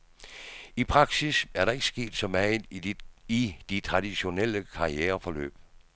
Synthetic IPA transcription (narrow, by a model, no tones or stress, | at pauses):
ipʰʁɑ̈ɡ̥sisæɐɾɑ̈e̝ɡ̥əsɡ̥e̝̰ːd̥sɒ̽mæ | id̥it͡sʰʁɑ̈d̥iɕo̝nel̰əkʰɑ̈ieːɐfɒ̽lø̰ːb̥